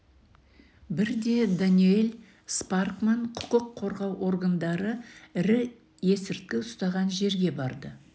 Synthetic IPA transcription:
bɪɾd̪e̞d̪anijelʲ | sparkmaɴqʰʊ̥qəqʰːo̞ɾʁɑwʔo̞ɾɡand̪ɑɾəɪɾɪ | je̞sɪɾt̪̚kʲɪʊst̪ɑʁɑnʒe̞ɾɡʲe̞bɑɾd̪ə

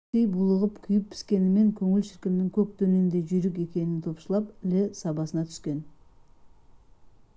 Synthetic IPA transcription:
ejbulˠəʁəpkʲʰʏjɪp̚ʰːɪ̥skʲe̞nɪme̞ŋkʲʰɵŋɪlʃɪɾkʲɪmnɪŋkʲʰɵk̚d̪ɵne̞nd̪e̞ʒʏjɾɪk̬e̞kʲe̞nɪnt̪ʰo̞pʃəlˠɑpɪlɪsɑbɑsənɑt̪ʰʏ̥skʲe̞n

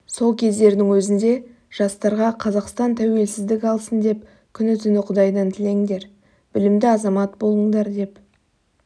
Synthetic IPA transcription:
so̞lˠkʲʰe̞zd̪e̞ɾd̪ɪŋwɵzɪnd̪e̞ | ʒ̥ɑst̪ɑɾʁɑqʰɑzɑqst̪ɑnt̪ʰæwe̞lsɪzd̪ɪkʲɑlˠsənd̪e̞p̚ | kʲʰʏnɪt̪ʰʏnɪqʰʊd̪ɑjd̪ɑnt̪ʰɪle̞ŋd̪e̞ɾ | b̥ɪlɪmd̪ɪɑzɑmɑt̪bo̞lˠəɴd̪ɑɾd̪e̞p

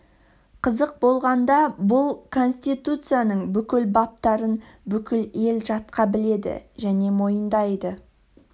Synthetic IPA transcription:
qʰəzəq̚bo̞lˠʁɑnd̪ɑbʊlˠkʰo̞nsʲt̪ijt̪ut̪sɨjanəɴbʏkʲɪlbɑp̚t̪ɑɾən | bʏkʲɪle̞lʒɑt̪qɑbɪle̞d̪ɪ̰ʒæne̞mo̞jənd̪ɑjd̪ə

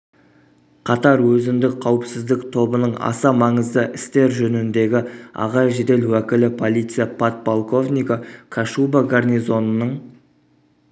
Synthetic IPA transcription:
qʰɑt̪ɑɾwɵzɪnd̪ɪk̚qʰɑwəpsɪzd̪ɪkt̪ʰo̞bənəɴɑ̰sɑmɑɴəzd̪əʔɪst̪e̞ɾʒɵnɪnd̪e̞ɡʲɪɑ̰ʁɑʒed̪e̞lwækʲɪlɪpʰo̞lˠijt̪sɨjapʰat̪̚bolˠko̞vnʲijkakʰaʃubaɡarnijzo̞nənəɴ

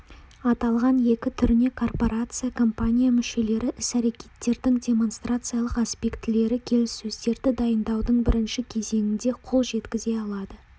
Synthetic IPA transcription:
ɑt̪ɑlˠʁɑnje̞kʲɪt̪ʰʏɾɪne̞kʰo̞rpo̞ɾat̪sɨjakʰo̞mpanʲijamʏʃe̞le̞ɾɪʔɪsæɾe̞kʲe̞t̪ːe̞ɾd̪ɪŋdʲe̞mo̞nst̪rat̪sɨjalˠəqaspʲe̞kt̪ɪle̞ɾɪkʲʰe̞lɪsːɵzd̪e̞ɾd̪ɪd̪ɑjənd̪ɑwd̪əɴbɪɾɪnʃɪkʲʰe̞ze̞ŋʲɪnd̪e̞qʰo̞lˠʒe̞t̪kʲɪze̞ɑlˠɑd̪ə

